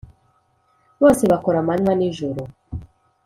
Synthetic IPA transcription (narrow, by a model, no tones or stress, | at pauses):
βɔsɛβakɔɾamaɲaniʒuɾɔ